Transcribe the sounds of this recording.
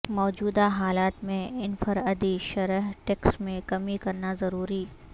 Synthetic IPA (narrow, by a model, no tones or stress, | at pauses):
mɔːd͡ʒuːd̪aɦaːlaːt̪mẽɪnfɐɾəd̪iʃɐɾəɦʈɛːksmẽkɐmikɐɾnazɐɾuːɾiː